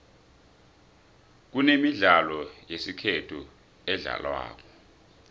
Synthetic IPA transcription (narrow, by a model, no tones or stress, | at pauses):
k̬unemiɮalɔjesikʰetʰu | ɛɮa̰lwa̰ːk̬ɔ̥